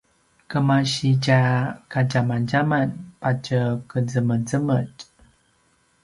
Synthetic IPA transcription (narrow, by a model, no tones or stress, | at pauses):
kəmaɕicakaɟamanɟamanpacəkəzəməzəməc